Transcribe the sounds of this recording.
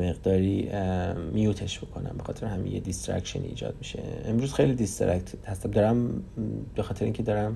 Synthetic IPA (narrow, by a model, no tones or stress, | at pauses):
meɣd̪ɒːɾi | mijut̪ʰe̞ʃb̥o̞kʰo̞̰næ̰mbe̞xɒːt̪ʰe̞ɾehæmḭjḛd̪ist̪ɾæ̰kʃḛnḭːd͡ʒɒ̰ːd̪̚miʃe̞̰emɾuːz̥xejlid̪ist̪ɾækt̪hæst̪æmd̪ɒːɾæm | be̞xɒːt̪ʰeɾeʔiːŋcʰed̪ɒːɾæm